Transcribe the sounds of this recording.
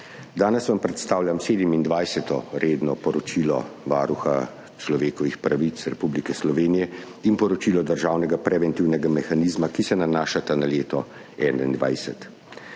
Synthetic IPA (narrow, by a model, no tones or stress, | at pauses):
d̪aːnɛsʋampɾɛt̪st̪aːwlʲjamseːd̪ɛmind̪ʋajsɛt̪ɔɾeːd̪nɔpɔɾɔt͡ʃiːlɔ̰ʋaːɾuxa̰ | t͡ʃlɔʋeːkɔʋixpɾaʋit̪sɾɛpublikɛslɔʋeːnijɛ | inpɔɾɔt͡ʃiːlɔd̪əɾʒaːwnɛɡapɾɛʋɛnt̪iwnɛɡamɛxaniːzmakisɛnanaːʃat̪analeːt̪ɔ | ɛːna̰ḭnd̪ʋa̰jsɛt̪